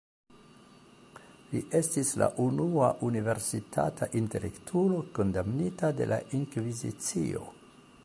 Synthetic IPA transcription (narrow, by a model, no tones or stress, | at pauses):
liʔe̞stisla̰ʔunuaʔunive̞ɾsitʰa̰tʰaʔinte̞le̞̰ktʰulo̞ko̞ndamnitade̞̰lʔaʔiŋkvizḭt͡sḭo̞̰